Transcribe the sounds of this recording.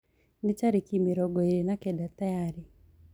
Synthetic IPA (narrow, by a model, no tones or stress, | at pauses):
nɪt͡ʃaɾikimiɾɔɡɔeɾinakɛdatajaɾi